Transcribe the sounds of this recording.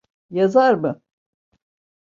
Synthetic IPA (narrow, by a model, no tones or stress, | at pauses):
jazaɾmɯ